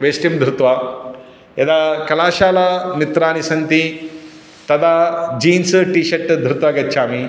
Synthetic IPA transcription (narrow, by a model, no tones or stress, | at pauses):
ʋeːsʈimd̪ʱɾut̪ʋaː | jɐd̪aːkɐlaːʃaːlamit̪ɾaːnisɐnt̪i | t̪ɐd̪ad͡ʒiːnsʈiːʃɐʈːd̪ʱɾut̪ʋaːɡɐːt͡ʃʰaːmi